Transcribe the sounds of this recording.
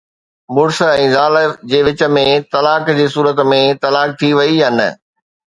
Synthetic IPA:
mʊɽsɛ̃ːzaːləd͡ʑeːʋɪt͡ɕə̆mẽt̪ɐlaːkd͡ʑeːs̬uːɾət̪mẽt̪ɐlaːk̚t̪ʰiʋɐiɦɐnə̆

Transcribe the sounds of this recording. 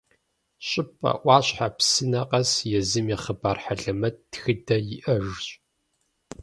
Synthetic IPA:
ɕʼɪpʼɐ̰ʔʷɑːɕħapsɨnɐqʼɐsjɛzɨmjɛχəbaːrħaɮɐmɐt̚txɨdɐjɪʔɐʒɕʼ

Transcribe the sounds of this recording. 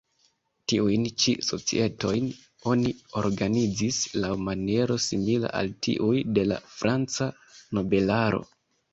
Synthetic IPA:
tiujnt͡ʃiso̞t͡sḭe̞to̞jn | o̞nio̞ɾɡanid͡zislawmanie̞ɾo̞simila̰ʔa̰ltʰḭʔujde̞la̰fɾʔant͡sa | no̞be̞laɾo̞̰

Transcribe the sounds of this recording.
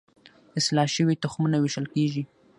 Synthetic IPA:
ɪslɑʃəwit̪ʊxmunawɪʃəlkeʒi

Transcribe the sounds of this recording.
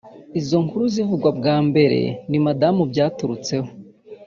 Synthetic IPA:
izo̞ŋkuɾuzivuɡwabɡaːmbe̞ɾe̞̰nimadamubɟaːtuɾut͡se̞ho̞

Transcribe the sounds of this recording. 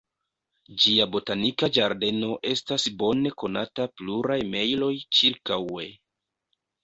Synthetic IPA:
d͡ʒiabo̞tanikad͡ʒaɾde̞no̞ʔe̞stasbo̞ne̞ko̞natapluɾajme̞jlo̞jt͡ʃiɾkawe̞

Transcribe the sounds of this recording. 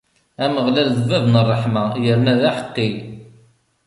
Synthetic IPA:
æməʁlælðəvævnərˤːəħmajəɾnæðæħə̥qːi

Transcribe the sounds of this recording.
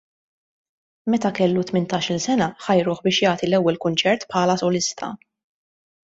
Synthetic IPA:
mɛt̪ɐkɛlːut̪mɪnt̪ɐːʃɪlsɛnɐħɐjɾʊːħbɪːʃjɐːt̪ilɛwːɛlkʊnt͡ʃɛɾt̪pħɐːlɐsɔlɪst̪ʰɐ̰

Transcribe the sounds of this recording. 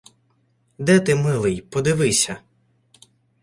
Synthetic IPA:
d̪ɛt̪ɪmɪlˠɪjpɔd̪ɪʋɪsʲɐ

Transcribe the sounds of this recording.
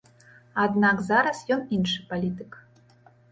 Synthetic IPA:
ad̪nakzaɾɐsjɔninʂɨpalʲit̪ɨk

